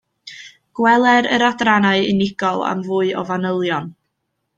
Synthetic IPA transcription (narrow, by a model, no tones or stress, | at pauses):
ɡ̥wɛlˠɛɾə̰ɾadranaɨɪnɪɡɔlˠa̰mvuːɨɔvanəlˠjɔn